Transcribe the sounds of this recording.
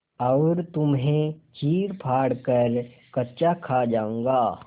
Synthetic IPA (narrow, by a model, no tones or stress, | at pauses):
ɐʊɾt̪ʊmɦẽt͡ʃiːɾpʰaːɽkəɾ | kɐtːt͡ʃakʰad͡ʒãːŋɡaː